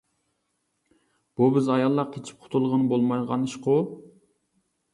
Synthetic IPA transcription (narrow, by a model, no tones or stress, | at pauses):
b̥ubɪzɑjɑlˠːɑqkʰʲet͡ʃʰi̥p̚qʰʊ̥t̪ʰulˠʁənɨbolˠmɑjʁɑnɨʃqʊ